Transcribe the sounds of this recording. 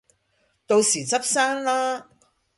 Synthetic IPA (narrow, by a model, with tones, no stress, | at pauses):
t̪o˧wsiː˨˩t͡sɐ˥p̚saː˥nlaː˥